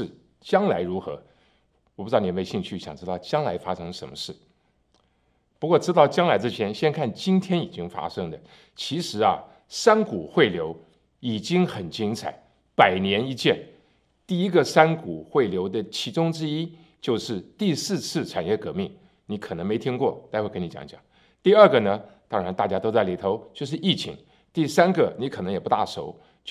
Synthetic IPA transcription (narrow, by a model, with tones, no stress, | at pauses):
t͡ɕjɑ˥ŋla˧˥ɪɻu˧˥xɤ˧˥ | wɔ˨˩pu˥˧˥n˨˩m˧e˧ɕi˥˧ŋt͡ɕʰy˥˩ɕjɑ̰˨˩ŋʈ͡ʂɻ̩˥t̪ɑ˥˩ʊt͡ɕjɑ˥ŋla̰˧˥ɪfa˥ʂɤ˥ŋʂə˧˥nmə˧ʂɻ̩˥˩ | pu˧˥kwɔ˥˩ʈ͡ʂɻ̩˥t̪ɑ˥˩ʊt͡ɕjɑ˥ŋla˧˥ɪʈ͡ʂ̩˥t͡ɕʰjɛ˧˥nɕjɛ˥nkʰa˥˩nt͡ɕi˥nt̪ʰjɛ˥ni˨˩t͡ɕi˥ŋfa̰˥ʂɤ˥ŋd̪ə˨ | t͡ɕʰi˧˥ʂɻ̩˧˥ɐ̰˧ | sa˥nku˨˩xwe˥˩ɪljo˧˥ʊ | i˨˩t͡ɕi˥ŋxə˨˩nt͡ɕi˥ŋt͡sʰa̰˨˩˦ɪ | pa˨˩ɪnjɛ˧˥ni˥t͡ɕjɛ˥˩n | t̪i˥˩i˥ɡə˨sa˥nku˨˩xwe˥˩ɪljo˧˥ʊd̪ə˧t͡ɕʰi˧˥ʈ͡ʂʊ˥ŋʈ͡ʂɻ̩˥i˥ | t͡ɕjo˥˧ʊʂɻ̩˥˧t̪i˥˧sɹ̩˥˧t͡sʰɹ̩˥˩ʈ͡ʂʰa˨˩njɛ˥˩kɤ˧˥mi˥˩ŋ | ni˧˥kʰɤ˨˩nɤ˧˥ŋme˧˥ɪt̪ʰi˥ŋkwɔ˥˩tt͡sa˥˧xwe˥˩kə˥ni˧t͡ɕjɑ̰˧˩ŋt͡ɕjɑ̰˨˩˦ŋ | t̪i˥˧ə˞˥˩ɡə˩nə˧t̪ɑ˥ŋɻa˧˥nt̪a˥˩t͡ɕja˥t̪o˥ʊt͡sa˥˩ɪli˨˩t̪ʰo˧˥ʊt͡ɕjo˥˧ʊʂ̬ɻ̩˥˧i˥˩t͡ɕʰḭ˧˥ŋ | t̪i˥˩sa˥nɡə˨ni˧˥kʰnɤ˧˥ŋjɛ˨˩pu˧˥t̪a̰˥˩ʂo̰˧˥ʊ | t͡ɕ